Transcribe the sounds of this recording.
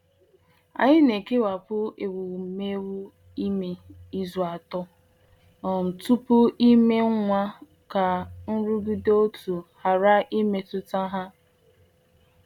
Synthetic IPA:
a̰˨ɲɪ˦ne˨ke˦wa˨pʊ˦e˨wu˨me˦wu˦ | i˦me˦i˦zʊ˨a˨tɔ˦ | ɔ˨n̩˨tu˦pʊ˦i˦me˦ŋʷa˦ | ka˨n̩˦ɾu˦ɡu˦do˦tu˨ha˨ɾa˦ʔi˦me˦tʊ˦ta˦ɦa˦

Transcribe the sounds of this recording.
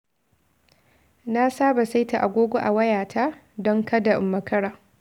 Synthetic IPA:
na˦saː˦ba˨sa˦jta˨ʔa˨ɡʷoː˦ɡʷo˦ʔa˨wɐ˦jaː˨tʰa˦ | dɔ˦ŋkɐ˦da˨ʔɪ˨mːɐ˦kɐ˦ɽaː˨

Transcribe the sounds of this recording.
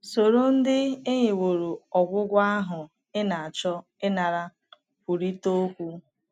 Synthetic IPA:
so˨ɾo˦n̩˦dɪ˦ɪ˦ɲɪ˨wo˨ɾo˨ɔ˨ɡʷʊ˦ɡʷa˦ɦʊ˨ | ɪ˦na˨a˨t͡ʃɔ˦ | ɪ˦na˨ɾa˦ | pu˨ɾi˦to˦kʷu˦

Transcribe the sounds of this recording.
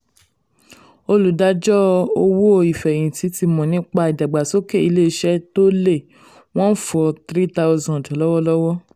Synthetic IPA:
o˧lu˨da˨˦d͡ʒɔ˦o˧wo˦o˧i˨fɛ̃˨ĩ˨ti˨˦ti˧mɔ̃˨nĩ˦k͡pa˧i˨da˨ɡ͡ba˨so˦ke˦i˧le˦˧˦ʃɛ˦to˦le˦˨ | w̃ɔ̃˦n̩˦fɔ˧t̪ɾi˦ta˦ʊ˧zɔ̃˧˨dɔ˨lɔ˦wɔ˦lɔ˦wɔ˦

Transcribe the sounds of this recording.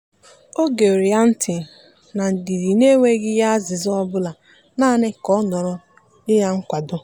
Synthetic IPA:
o˦ɡe˨o˨ɾi˨a˦n̩˦tʰɪ˨ | na˨n̩˨di˨ɾi˨ne˦ŋʷe˦ɡɪ˦ja˦a˦zɪ˨zɔ˦bʊ˦la˨ | naː˦˨nɪ˦kɔ˦nɔ˨ɾʊ˦ | ɪ˦ja˦ŋ̩˦kʷa˨dʊ˦

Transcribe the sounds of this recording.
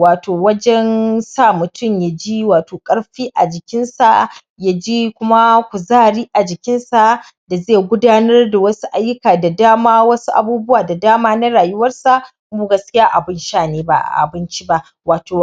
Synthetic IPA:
waː˨tʰoː˨wɐ˦d͡ʒɛ˦nsaː˦˨mʊ˨tʊ˦˨mja˨d͡ʒi˦waː˨toː˨kʼɐ˦ɽɸiː˦ʔa̰˨d͡ʒɪ˨kʲɪ˦nsa̰˨ | ja˦d͡ʒe˦kʷʊ˦ma˦kʷu˨zaː˦˨ɾiː˦ʔa˨d͡ʒɪ˨kʲɪ˦nsa˨ʔ | da˨zeː˦˨ɡʷʊ˦daː˦nɐ˦rda˨wɐ˦su˦ʔa˦jːʊ˦kaː˨da˨daː˦maː˦wɐ˦su˦ʔa̰˨buː˦bʊ˦waː˨da˨daː˦maː˦na˦ɽaː˨jʊ˦wɐ˦rsa˨ʔ | kʊ˦bu˦˨ɡɐ˦skʲɪ˦jaː˦ʔa˨bɪ˦nʃaː˦˨neː˦ba˨ʔa̰˨ʔa̰˨bɪ˦nt͡ʃi˦ba˦ʔ | waː˨toː˨

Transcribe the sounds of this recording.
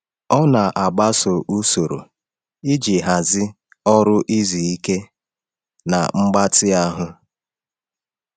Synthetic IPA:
ɔ˦na˨ʔa˨ɡ͡ba˦so˨ʔu˦so˨ɾo̰˨ | i˦d͡ʒi˨ɦa˨zɪ˦ | ɔ˦ɾʊ˦ʔi˦zi˨i˦ke˦ | na̰˨ŋ͡m̩˦ɡ͡ba˦tɪ˦a˦ɦʊ˦

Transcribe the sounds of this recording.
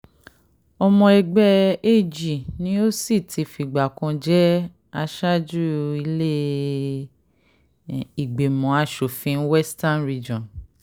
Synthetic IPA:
ɔ˧mɔ̃˧ɛ˧ɡ͡bɛ˧e˦˨d͡ʒi˨nĩ˦o˦si˦˨tʰi˧˨fi˨ɡ͡ba˨kɔ̃˧d͡ʒɛ˦ | a˧ʃa˦d͡ʒu˦i˧le˦ | i˨ɡ͡be˨mɔ̃˨˦a˦˨ʃo˨fĩ˧˦n̩˦wɛ˦sta˦nɾi˧d͡ʒɔ̃˨n

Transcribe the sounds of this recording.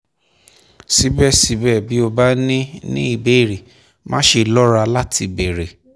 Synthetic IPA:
si˦bɛ˦˨si˨˦bɛː˦˨bi˨˦o˧ba˦nĩ˦nḭ̃˦i˦˨be˨˦˨ɾe˨ | mã˦ʃe˧lɔ˦ɾa˧la˦tʰi˧be˨ɾe˨

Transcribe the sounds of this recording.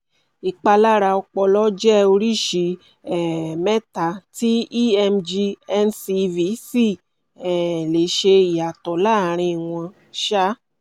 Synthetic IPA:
i˨k͡pa˧la˦ɾa˧ɔ˧k͡pɔ˧lɔ˦d͡ʒɛ˦o˧ɾi˦˨ʃi˨˧˦ | ɛ˨mɛ˦ta˧˨ti˦i˦ɛ˧md͡ʒi˧ɛ˧nsi˧vi˨˦si˦˨ | ɛ˨le˨˦ʃe˧i˨ja˨tɔ˨la˦˨ɾ̃ĩ˧˨w̃ɔ̃˧ | ʃa˦

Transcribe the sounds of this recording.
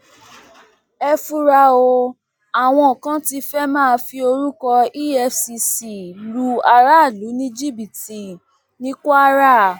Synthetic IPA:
ɛ˧fu˧ɾa˧o˧ | a˨w̃ɔ̃˧ɔ˨kã˦ti˦˧fɛ˦mãː˦˨˧fi˧o˧ɾu˦kɔ˧i˦ɛ˧fsi˧si˨lu˦a˧ɾa˦˨lu˨˦nĩ˦d͡ʒi˦˨bi˨ti˨ | nĩ˦kːɾa˦˨

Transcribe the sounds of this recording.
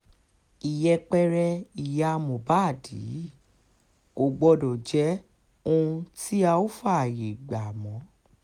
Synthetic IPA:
i˨jɛ˧k͡pɛ˦ɾɛ˧i˨ja˨˦˧mõ˨ba˨˦˨di˨˦ | o˨˧˨ɡ͡bɔ˧dɔ˨d͡ʒɛ˨˦ | õ˧ti˦a˧o˦fa˦a˨je˨ɡ͡ba˨mɔ̃˨˦

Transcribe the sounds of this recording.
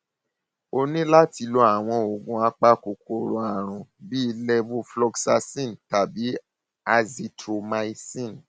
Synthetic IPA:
o˧nĩ˦la˦ti˧lo˧˦a˨w̃ɔ̃˧o˨ɡũ˨˧a˧k͡pa˦ko˧ko˦˨ɾõ˨˦a˨ɾ̃ũ˨bi˦i˧lɛ˦vu˧flɔ˧ɡsa˧sĩ˦˨n˨ta˨bi˨˦ | a˧zi˧tɾo˧mã˧i˦sĩ˦˨n˨

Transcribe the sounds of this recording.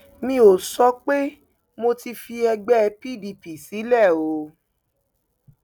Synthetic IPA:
mĩ˧˦o˨sɔ˨˦k͡pe˦ | mo˧ti˧fi˧ɛ˧ɡ͡bɛ˦˧pi˦˨di˧˨pi˨si˨˦lɛ˦˨o˨˦

